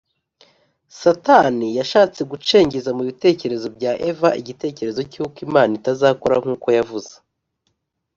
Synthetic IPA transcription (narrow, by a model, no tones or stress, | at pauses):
satanijaʃaːt͡se̞ɡut͡ʃe̞ːɲɟizamuβite̞ːce̞ɾe̞zo̞bɟaːʔevaʔiɟite̞ːce̞ɾe̞zo̞cukimaːnitazaːkoɾaŋ̥uːko̞javuze̥